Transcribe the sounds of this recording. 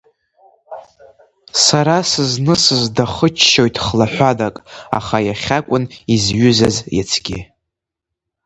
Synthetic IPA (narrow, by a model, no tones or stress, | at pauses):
saɾasɨznɨsɨzdaχət͡ʃʰʃo̞jtʼʰχlaħʷadakʼa̰χajaχʲakʷʼʊnizɥʏzazja̰t͡sʰɡ̥ʲi